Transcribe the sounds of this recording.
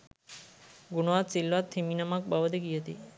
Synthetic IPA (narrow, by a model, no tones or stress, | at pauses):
ɡuɳʋat̪t͡silːʋat̪ʰːiminamak̚baʋət̪ikijət̪ḭ